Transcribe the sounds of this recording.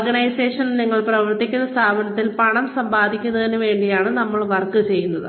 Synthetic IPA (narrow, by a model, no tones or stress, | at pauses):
ɡɐɳɐjseːʂɐnniŋːɐɭprɐʋɐrt̪ːikʲːunːɐst̪ʰaːbʱɐɳɐt̪ːilpɐɳɐmsɐmbaːd̪ʱikʲːunːɐðinuʋe̞ːɳɖijaːɳɨnɐmːɐɭʋɐrkːɨt͡ɕe̞jːunːɐðɨ